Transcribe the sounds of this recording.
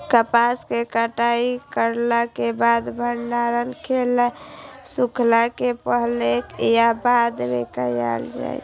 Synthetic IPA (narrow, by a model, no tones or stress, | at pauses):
kəpaskekəʈaikəɾlakebad̪bʱəɾnaɾənkʰelesukʰlakepəɦlekjabad̪bekaja̰ld͡ʒa̰j